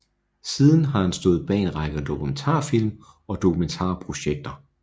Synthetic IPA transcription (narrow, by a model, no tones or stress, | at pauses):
siːðˠn̩ɦɑ̈hænsd̥ɔ̽ːð̩ˠb̥ɛ̰ːnʁɑ̈ɪɡ̥əðˠd̥o̝kʰument͡sʰɑ̰̈ːfil̰m | ɒ̽d̥o̝kʰument͡sʰɑ̰̈ːpʰʁo̝ɕeɡ̥̚d̥ɐ